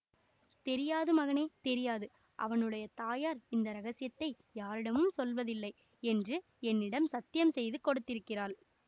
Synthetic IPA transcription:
t̪ɛɾɪjaːðɯmɐɣɐneːt̪ɛɾɪjaːðɯ | ʔɐ̰ʋɐnɯɽɐjɐt̪aːjaːɾɪnd̪ɐɾɐɣɐsɪjɐt̪ːɐɪ | jaːɾɪɽɐmɯmsɔlʋɐðɪlːɐɪ | ɛndrɯ | ɛnːɪɽɐmsɐt̪ːɪjɐmsɛjðɯkɔɽɯt̪ːɪɾɯkːɪraːɾ

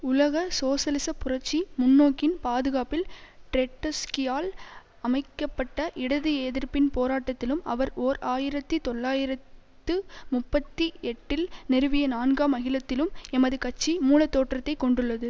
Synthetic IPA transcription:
ʊlɐɣɐsoːsɐlɪsɐpːʊrɐʈt͡ʃːimʊnːoːkːɪnpaːðɯɣaːpɪlʈɾɛʈːɐskɪjaːl | ɐmɐɪkːɐpːɐʈːɐʔɪɽɐðɯeːðɪɾpɪnpoːɾaːʈːɐt̪ːɪlɯmɐ̰ʋɐɾoːɾaːjɪɾɐt̪ːɯt̪ɔɭːaːjɪɾɐt̪ːɯmʊpːɐt̪ːiɛʈːɪlnɛɾɯʋɪjɐnaːnɡaːmːɐɣɪlɐt̪ːɪlɯmɛmɐðɯkɐʈt͡ʃːimuːlɐt̪ːoːʈrɐt̪ːɐɪkːɔɳɖɯɭːɐðɯ

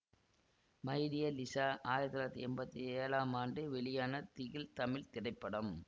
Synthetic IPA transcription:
mɐɪɾɪjɐlɪsaːʔaːjɪɾɐt̪ːlːɐt̪ːiɛmbɐt̪ːieːlaːmaːnɖɯʋɛɭɪjaːnɐt̪ɪɣɪlt̪ɐmɪlt̪ɪɾɐɪpːɐɽɐm

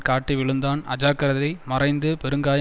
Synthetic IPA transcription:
kaːʈːiʋɪɭɯnd̪aːnɐ̰d͡ʒaːkːɐɾɐðɐɪmɐrɐɪnd̪ɯpɛɾɯŋɡaːj

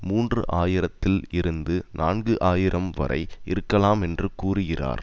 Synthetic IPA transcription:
muːndrɯ̰ʔaːjɪɾɐt̪ːɪlɪɾɯnd̪ɯnʔaːnɡɯʔaːjɪɾʔɐmʋɐ̰ɾʔɐ̰ɪɪɾɯkːɐlaːmɛndrɯkuːrɯɣɪra̰ːɾ

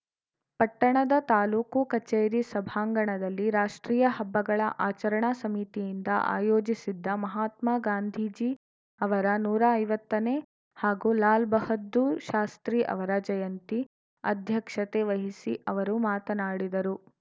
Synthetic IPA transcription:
pɐʈːɐɳɐd̪ɐt̪aːluːkukɐt͡ʃeːjɾisɐbʱaːŋɡɐɳɐd̪ɐlːiɾaːʂʈɾiːjɐɦɐbːɐɡɐɭɐʔaːt͡ʃɐɾɐɳasɐmit̪ijind̪ɐ̰ʔa̰ːjoːd͡ʒisid̪ːɐmɐɦaːt̪maːɡaːnd̪ʱid͡ʒi | ɐʋɐɾɐnuːɾaɐjʋɐt̪ːɐne | haːɡulaːlbɐhɐd̪ːuʃaːst̪ɾiʔɐ̰ʋɐɾɐd͡ʒɐjɐnt̪i | ɐ̰d̪ʱjɐkʂɐt̪eʋɐɦisiʔɐʋɐɾumaːt̪ɐnaːɽid̪ɐɾu

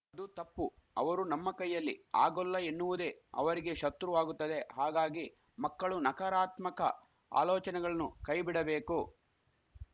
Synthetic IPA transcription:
ɐd̪ut̪ɐpːu | ɐ̰ʋɐɾunɐmːɐkɐjːɐlːḭa̰ːɡɔlːɐenːuʋud̪e̞ːɐ̰ʋɐɾiɡe̞ʃɐt̪ɾuʋaːɡut̪ːɐd̪e̞ɦaːɡaːɡi | mɐkːɐɭunɐkɐɾaːt̪mɐkɐ | a̰ːlɔːt͡ʃɐnɛɡɐɭɐnːukɐjbiɽɐbeːku

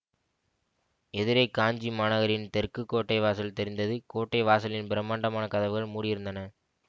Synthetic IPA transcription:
ɛðɪɾɐɪkaːɲd͡ʒimaːnɐɣɐɾɪnt̪ɛɾkɯkːoːʈːɐɪʋaːsɐlt̪ɛɾɪnd̪ɐðɯkoːʈːɐɪʋaːsɐlɪnbɪɾɐmaːɳɖɐmaːnɐkɐðɐʋɯɣɐɭmuːɽɪjɪɾɯnd̪ɐnɐ

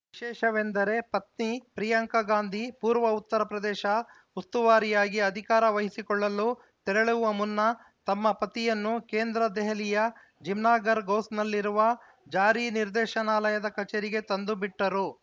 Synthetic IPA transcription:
ʋiʃɛːʃɐʋend̪ɐɾe̞pɐt̪̚nipɾijɐŋkɐɡaːnd̪ʱipuːɾʋɐut̪ːɐɾɐpɾɐd̪ɛːʃɐ | ust̪uʋaːɾijaːɡiɐd̪ʱikaːɾɐʋɐɦisikɔɭːɐlːu | t̪ɛɾɐɭuʋɐmunːɐ | t̪ɐmːɐpɐt̪ijɐnːukeːnd̪ɾɐd̪ɛɦɐlijɐ | d͡ʒimnaːɡɐɾɡoːsnɐlːiɾuʋɐ | d͡ʒaːɾiniɾd̪ɛːʃɐnaːlɐjɐd̪ɐkɐt͡ʃeːɾiɡe̞t̪ɐnd̪ubiʈːɐɾu

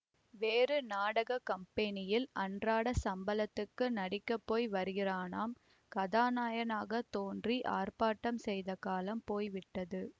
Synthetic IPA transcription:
ʋeːrɯnaːɽɐɣɐkɐmpɛnɪjɪlɐɳdraːɽɐsɐmbɐlɐt̪ːɯkːɯnɐɽɪkːɐpːoːjʋɐɾɯɣɪraːnaːm | kɐðaːnaːjɐnaːɣɐt̪oːndriʔaːrpaːʈːɐmsɛjðɐkaːlɐmpoːjʋɪʈːɐðɯ

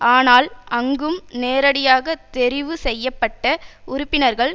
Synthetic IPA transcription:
aːnaːlɐŋɡɯmneːɾɐɽɪjaːɣɐt̪ɛɾɪʋɯsɛjːɐpːɐʈːɐʊɾʊpːɪnɐɾɣɐɭ

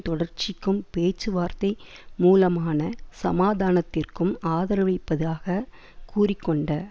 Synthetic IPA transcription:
t̪ɔɽɐrt͡ʃɪkːɯmpeːt͡ʃːɯʋaːɾt̪ɐɪmuːlɐmaːnɐsɐmaːðaːnɐt̪ːɪrkɯmaːðɐɾɐʋɐɪpːɐðɯaːɣɐ | kuːrɪkːɔɳɖɐ

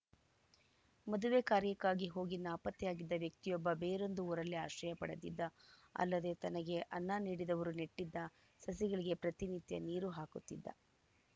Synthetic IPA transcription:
mɐd̪uʋeːkaːɾjɐkːaːɡiɦo̞ːɡinːaːpɐt̪ːɛjaːɡid̪ːɐʋjɐk̚t̪ijɔbːɐbeːɾo̞nd̪uuːɾɐlːia̰ːʃɾɐjɐpɐ̰ɽɐd̪id̪ːɐɐ̰lːɐd̪et̪ɐnɐɡe̞ʔɐnːaːniːɽid̪ɐʋɐɾuneʈːid̪ːɐ | sɐsiɡɐɭiɡe̞pɾɐt̪init̪jɐ̰niːɾuɦaːkut̪ːid̪ːɐ̰

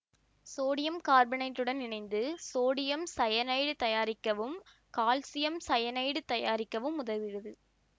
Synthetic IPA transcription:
soːɽɪjɐmkaːɾbɪnɐɪʈːɯɽɐnːɪnɐɪnd̪ɯsoːɽɪjɐmsɐjɐnɐɪɽɯt̪ɐjaːɾɪkːɐʋɯm | kaːlsɪjɐmsɐjɐnɐɪɽɯt̪ɐjaːɾɪkːɐʋɯmʊðɐðɪɻɐðɯ

